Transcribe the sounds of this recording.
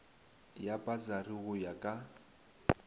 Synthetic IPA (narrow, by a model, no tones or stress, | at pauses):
japʼazariɣʊjakʼa